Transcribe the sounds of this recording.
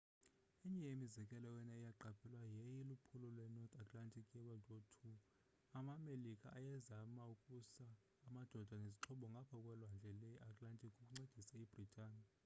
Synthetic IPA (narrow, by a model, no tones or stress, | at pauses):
iɲɛjemizɛkʼɛlɔjɛnaijaǃapʰɛlwajɛjilupʰulɔlwɛnɔrt̪ʰʼatʼlantʼʰikʰʼjɛɓadʱʼotʰu | amamelikʼa̰ʔːjɛzamaukʼusaː | mad̥ʱɔd̥ʱaneziǁʰɔɓɔŋɡʱapʰɔkʼwɛlwand͡ɮʱɛlɛʔatʼlantʼikʼukʼuŋ͡ǀed̥ʱisaib̥ʱritʰʼaːni